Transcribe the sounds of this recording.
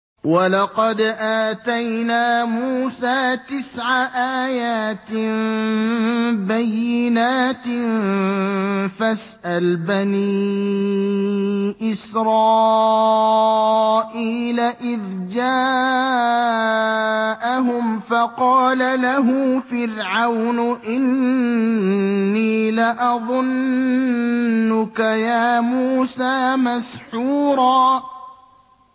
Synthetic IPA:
wɑlɑqɑd̪ʔaːt̪ajnaːmuːsaːt̪ɪsʕaʔaːjaːt̪ | bajːɪnaːt̪ | fasʔalbani | ʔɪsɾˤɑː | ʔiːlaʔɪðd͡ʒaː | ʔaɦʊmfɑqɑːlalaɦufɪɾʕawnʔɪn | iːlaʔɑðˤʊn | ʊkajaːmuːsaːmasħuːɾˤɑː

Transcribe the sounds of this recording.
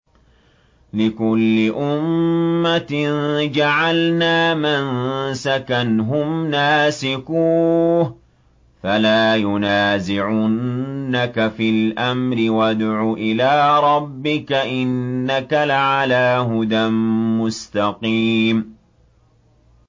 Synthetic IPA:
lɪkʊlːɪʔʊmːat̪nd͡ʒaʕalnaːmansakanɦʊmnaːsɪkuːh | falaːjʊnaːzɪʕʊnːakafɪlʔamɾɪwad̪ʕuːʔɪlaːɾˤɑbːɪkaʔɪnːakalaʕalaːɦʊd̪anmʊst̪ɑqiːm

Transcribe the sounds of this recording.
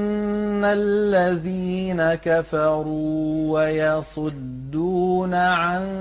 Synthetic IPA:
nːalːaðiːnakafɑɾuːwajɑsˤʊd̪ːuːnaʕan

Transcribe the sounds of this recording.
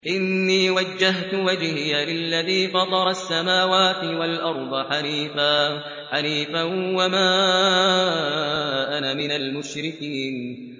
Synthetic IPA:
ʔɪnːiːwad͡ʒːaɦt̪ʊwad͡ʒhɪjalɪlːaðiːfɑd̪ˤɑɾˤɑsːamaːwaːt̪ɪwalʔɑɾˤd̪ˤħaliːfaː | ħaliːfanwamaː | ʔanamɪnalmʊʃɾɪkiːn

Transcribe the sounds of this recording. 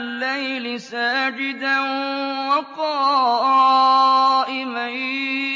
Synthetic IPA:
lːajlɪsaːd͡ʒɪd̪anwaqɑːɾɑ | ʔɪma

